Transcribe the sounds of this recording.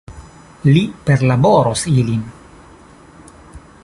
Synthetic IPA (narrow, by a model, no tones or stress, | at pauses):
lipe̞ɾlaboɾosilin